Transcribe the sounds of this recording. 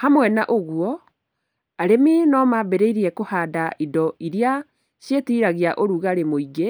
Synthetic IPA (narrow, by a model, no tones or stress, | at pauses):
hamwɛnaʔoɣwɔ | aɾeminɔmabeɾeiɾiɛkohaːdaidɔiɾia | ɕjetiːɾaɣiaʔoɾuɣaɾemoiɡe